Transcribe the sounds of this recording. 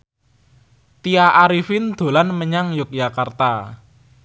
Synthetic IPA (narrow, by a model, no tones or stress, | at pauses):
t̪iaʔaɾifɪnd̪̥o̤lanməɲaŋjʊk̚d͡ʒakart̪a